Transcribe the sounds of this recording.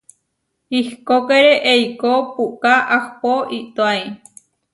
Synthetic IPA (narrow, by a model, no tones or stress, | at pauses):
ihkokeɾeʔejkopukaʔahpoʔit̪oaj